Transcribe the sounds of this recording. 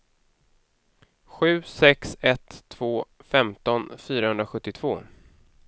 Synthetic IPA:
ɧʉ̟ːsɛksɛt̪ʰːv̥oːfɛmt̪ɔnfyːɾahɵnd̪ɾaɧɵt̪ːɪt̪ʰv̥oː

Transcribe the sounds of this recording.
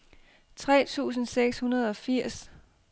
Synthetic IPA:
t͡sʰʁɛ̰ːt͡sʰṵːs̬n̩seɡ̥shunɐð̞ˠɒ̽fiɐ̰s

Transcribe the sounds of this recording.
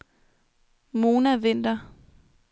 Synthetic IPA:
mo̝ːnæʋe̝n̰d̥ɐ

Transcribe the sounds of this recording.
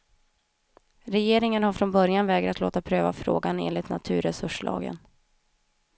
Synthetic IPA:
ɾɛjeːɾɪŋənhaɾfɾɔnbœɾjanvɛːɡɾat̪loːt̪apʰɾøːva̰fɾo̰ːɡanḛːnlɪt̪na̰t̪ʰʉ̟ːɾɛsɵʂɭɑ̰ːɡə̰n

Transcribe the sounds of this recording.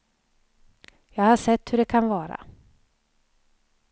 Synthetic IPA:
jɑːɡhaʂɛt̪ːhɵɖɛkʰanvɑːɾa̰

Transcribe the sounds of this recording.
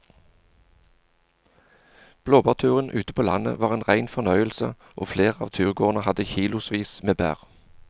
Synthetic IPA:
b̥loːbɑːʁt̪ʰʉːʁənʔʉːt̪əpʰoːlɑ̰nə̰ʋɑːʁeːnʁæɪnfɔnœʏəlsə | ʔo̰ːfleːʁɑːʋt̪ʰʉːʁɡoːʁnəhɑd̪əçiːlʊsʋiːsmeːbæ̰ːʁ

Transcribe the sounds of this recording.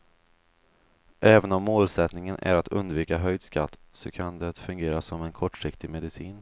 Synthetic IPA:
ʔɛːvənɔmːoːlsɛt̪nɪŋənʔæ̰ɾat̪ʰɵ̰nd̪viːkaɦœjd̪skʰa̰t̪ːsɔkʰand̪ɛt̪fɵŋɡeːɾasɔmɛnkʰɔʈːʂɪkt̪ɪɡmɛd̪ɪsiːn

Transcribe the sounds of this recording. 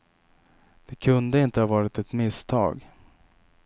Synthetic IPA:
d̪̥ɛkʰɵnd̪əɪnt̪əhɑvɑːɾɪt̪ɛt̪mɪst̪ʰɑ̰ːɡ

